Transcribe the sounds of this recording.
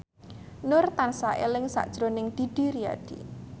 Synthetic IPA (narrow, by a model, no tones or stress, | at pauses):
nʊrt̪ansaʔḛlɪŋsa̰ʔd̥ʒ̥ɾonɪŋd̪̥i̤d̥i̤ɾia̰d̪̥ḭ